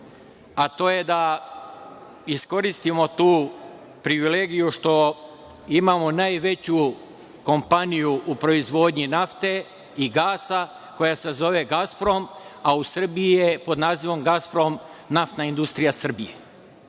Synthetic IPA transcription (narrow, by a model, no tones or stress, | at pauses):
at̪o̞ːje̞d̪a | isko̞ɾist̪imo̞t̪uː | pɾiʋile̞ːɡijuʃt̪o̞ | imamo̞naːjʋe̞t͡ɕu | ko̞mpanijuʔupɾo̞izʋo̞ːd̪ɲinaft̪e̞ | iɡaːsa | ko̞jase̞zo̞ʋeɡaspɾo̞mausr̩bijijepo̞d̪naːziʋo̞mɡaspɾomnaft̪naind̪ust̪ɾijasr̩bije